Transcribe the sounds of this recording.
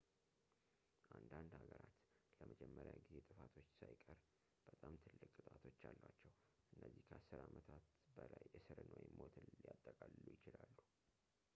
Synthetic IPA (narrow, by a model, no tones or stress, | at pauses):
ʔand̪and̪haɡəɾat̪ləməd͡ʒɛmːəɾjaɡize̞t̪ʼɨfat̪ʰo̞t͡ʃːsajkʼəɾ | b̥ət̪ʼamt̪ʰɨlːɨkʼːɨt̪ʼat̪ʰo̞t͡ʃːalːwat͡ʃːɛw | ʔɨnːəzːihkʰəʔasːɨɾamət̪ʰat̪bəlajʔɨsɨɾɨnwojimo̞t̪ʰɨnljat̪ʼːəkʼalːujɪt͡ʃɪlalːu